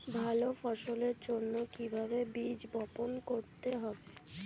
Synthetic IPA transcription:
bʱalofɔʃoleɾd͡ʑonːokibʱabebid͡ʑbɔponkoɾt̪eɦɔbe

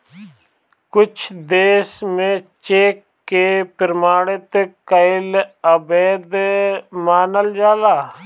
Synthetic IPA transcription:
kʊt͡ʃʰd̪eːsmẽt͡ʃeːkːepɪɾmaːɽɪt̪kɐɪlɐbeːd̪maːnəld͡ʒaːlaː

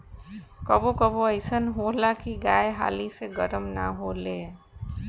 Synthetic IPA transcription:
kəbokəboəɪsənɦolakiɡaːeɦa̰ːliseɡəɾəmna̰ɦole

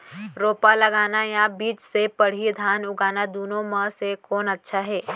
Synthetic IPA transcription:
ɾoːpalɐɡaːnajãbiːt͡ʃsepɐɽ̤id̪ʱaːnʊɡaːnad̪uːnõmə̃sekɔːnɐtːʃʰaɦɛː

